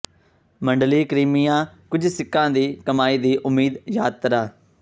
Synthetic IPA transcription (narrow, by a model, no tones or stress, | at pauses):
məɳɖliːkɾiːmijãːkʊd͡ʒsɪkːãːd̪iːkəmaːiːd̪iːʔʊmːiːd̪jaːt̪ɾaː